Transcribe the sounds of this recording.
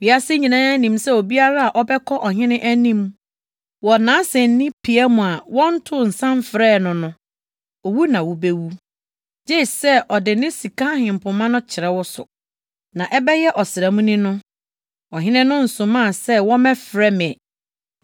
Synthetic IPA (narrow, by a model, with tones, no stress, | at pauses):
wi˨a˦sɪ˦ɲĩ˨nã˦æ˦nĩ˨msɛ˦o˨bi˦a˦ɾa˦a˨ʔɔ˦bɛ˦kʰɔ˦ʔɔ˨ɦɪ̃˦nɪ̃˦ʔæ˦nĩ˦m | wɔ˨nãː˨˦sɛ̃˨n˦nĩ˦pʰi˨ɛ˦mʊ̃˨a˨wɔ̃˦n̩˦tʰʊ˦˨n̩˨sã˦mfɾɛː˦˨nʊ̃˨nʊ̃˦ | ɔ˨wu˦nã˨wʊ˨be˦wu˦ | d͡ʑe˦˨sɛ˦ʔɔ˨dɪ˨nɪ̃˦si˨kʰã˦hɪ̃˨m̩˨pʰʊ̃˨mã˦nʊ̃˦t͡ɕʰɪ˨ɾɛ˦wɔ˦sʊ̰˨ | nã˨ʔɛ˦bɛ˦jɛ˦ʔɔ˨sɪ˨ɾɛ˨mũ˦nĩ˦nʊ̃˦ | ɔ˨ɦɪ̃˦nɪ̃˦nʊ̃˦n̩˨sʊ̃˨mã˦˨sɛ˦wɔ̃˦mɛ̃˦fɾɛ˦m̃˨ɛ˨